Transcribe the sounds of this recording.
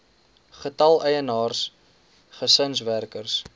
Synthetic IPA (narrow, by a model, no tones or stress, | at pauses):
χətɐlˠəjənɑːrs | χəsənsværkərs